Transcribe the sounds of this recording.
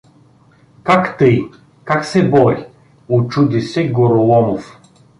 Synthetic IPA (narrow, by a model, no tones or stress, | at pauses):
kakt̪əj | kaksɛbɔɾi | ʊt͡ʃud̪isɛɡoɾʊlˠɔmof